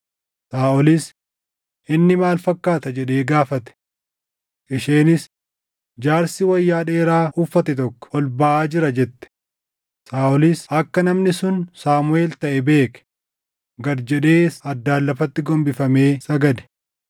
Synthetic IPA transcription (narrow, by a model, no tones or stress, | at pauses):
saːʔɔlɪs | ʔɪnːɪmaːlfɐkːaːt̪ɐd͡ʒɛᶑeːɡaːfɐt̪ɛ̥ | ʔɪʃeːnɪs | d͡ʒaːɾsɪwɐjːaːᶑe̞ːɾaːʔʊfːɐt̪ɛt̪ɔkːɔ̥ɔlbaʔaːd͡ʒɪɾɐd͡ʒɛt̪ːɛ̥ | saːʔɔlisɐkːɐnɐmnɪsʊnsaːmʊe̞ːlt̪ɐʔɛbe̞ːkɛ̥ | ɡɐɾd͡ʒɛᶑe̞ːsɐd̪ːaːlːɐfɐt̪ːɪɡɔmbɪfɐme̞ːsɐɡɐd̪ɛ̥